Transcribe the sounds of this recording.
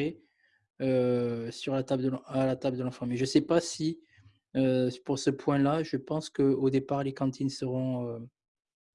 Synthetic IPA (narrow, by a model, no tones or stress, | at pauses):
e | øsyʁlat̪abləd̪əlalat̪abləd̪əlɑ̃fɑ̃mɛʒəsɛpasi | øpuʁsəpwɛ̃laʒəpɑ̃skəod̪epaʁlekɑ̃t̪ʰinsəʁɔ̃ø